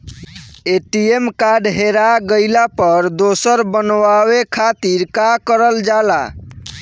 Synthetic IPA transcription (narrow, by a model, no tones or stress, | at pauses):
eʈiemkaɖɦeɾaɡəɪlapəɾd̪osəɾbənwawekʰat̪iɾkakəɾəld͡ʒala̰